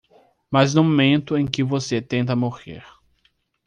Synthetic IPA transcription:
maznʊ̃momẽnt̪ʊẽj̃kɪvoset̪ẽnt̪̬ɐmoʁḛɾ

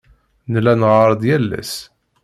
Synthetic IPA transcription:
nlænʁəɾˤd̪jælːæ̰s

